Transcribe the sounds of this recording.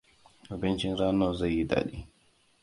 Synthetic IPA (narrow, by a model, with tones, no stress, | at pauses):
ʔʊ˨bɪ˦nt͡ʃɪ˦nɾaː˦na˦˨za˦˨jːi˦da̰ː˨ɗiː˦